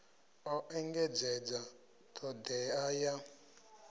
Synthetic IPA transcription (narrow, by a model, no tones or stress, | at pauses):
ɔʔɛŋɡɛd͡zɛd͡za | tʰɔd̪ɛaja